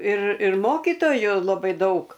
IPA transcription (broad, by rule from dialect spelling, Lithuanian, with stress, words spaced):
ɪr ɪr ˈmoːkʲiːtoːjʊ lˠɐˈbɐɪ ˈdɐʊk